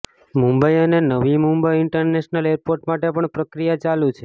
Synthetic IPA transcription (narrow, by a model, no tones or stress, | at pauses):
mũmbəjənenəʋimumbəiɪɳʈəɾneʃnəleɾpoɾʈmaʈepəɳpɾəkɾijat͡ʃalut͡ʃʰe